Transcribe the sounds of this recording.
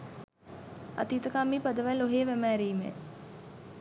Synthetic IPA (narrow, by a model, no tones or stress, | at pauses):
ɐ̰t̪iːt̪əkamːiːpad̪əʋæloɦeːʋæmæːɾiːmḛ